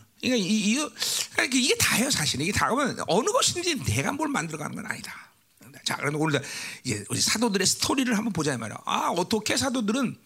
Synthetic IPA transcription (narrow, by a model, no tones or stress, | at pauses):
ɲikaiːɡʌkaikʰeiɡe̞taeosʰaɕʰiniɡetaɯmjʌnʌnɯɡʌɕʰind͡ʑineɡa̰nboɭmandɯɾʌɣa̰nɯnɡʌ̰na̰ɲida | ɯdet͡ɕa̰kɯɾemneonɯɭdaid͡ʑe̞ɯd͡ʑesʰadodɯɾe̞sʰɯ̥tʰoɾiɾɯɭɦambʌnp̬od͡ʑaima̰ɾḛjo̰a̰ʌt͈ʌkʰe̞s̬ʰadodɯɾɯn